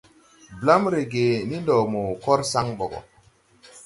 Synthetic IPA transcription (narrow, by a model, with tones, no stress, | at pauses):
bla˦mɾe˨ɡe˨ni˦ndɔ˨mo˨kɔ˦ɾsa˦ŋɓo˨ɡɔ̰˨